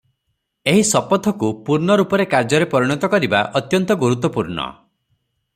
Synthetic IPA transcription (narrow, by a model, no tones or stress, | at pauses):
eɦisɔpɔt̪ʰɔkupuɾɳɔɾupɔɾekaɾd͡ʒɔɾepɔɾiɽ̃ɔt̪ɔkɔɾiba̰ʔɔt̪jɔnt̪ɔɡuɾut̪ːɔpuɾɳɔ̰